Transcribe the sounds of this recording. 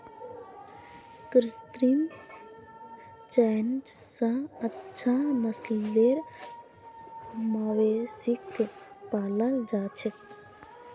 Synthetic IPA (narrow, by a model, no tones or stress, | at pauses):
kɾɪt̪ɾim | t͡ʃɛːnd͡ʒ | sãətːʃʰaməsliʋeɾ | maːʋesɪkt̪epaːləld͡ʒaːt͡ʃʰe